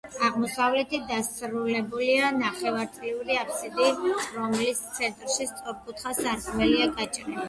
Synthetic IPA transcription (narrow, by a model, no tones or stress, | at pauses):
aʁmɔsavlɛt̪ʰid̪asɾulɛbulianaχɛvaɾt̪ʼliuɾiapʰsid̪iɾɔmlist̪sʰɛnt̪ʼɾʃist̪sʼɾɔp̚kʰut̪ʰχasaɾɡmɛliaɡat͡ʃʼɾɛ